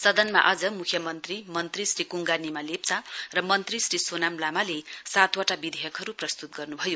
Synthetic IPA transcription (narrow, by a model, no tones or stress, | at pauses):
sʌd̪ʌnma̰ʔʌd͡zʌmukʰjʌmʌnt̪rimʌnt̪risrikuŋɡanimalep̚t͡sarʌmʌnt̪risrisonamlamalesat̪ʰwaʈabid̪ʱejʌkɦʌɾuprʌst̪ut̪̚ɡʌrnubʱʌjo